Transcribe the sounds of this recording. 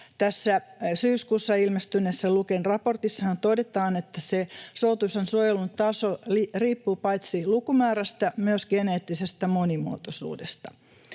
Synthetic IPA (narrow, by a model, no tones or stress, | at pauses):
t̪æsːæsyːskuːsːɑilmest̪ynesːɑlukenrɑport̪isːɑɑnt̪odet̪ɑːnet̪ːæsesot̪usensuojelunt̪ɑsoliriːpːuːpɑit̪silukumæːɾæst̪æmyøsɡ̥eneːt̪ːisest̪æmonimuo̰t̪osṵːdest̪ɑ̥